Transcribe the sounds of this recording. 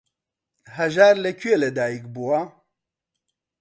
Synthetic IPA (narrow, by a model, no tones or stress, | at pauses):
hɛʒaːɾlɛkʰɥelɛd̪aːjik̚buwa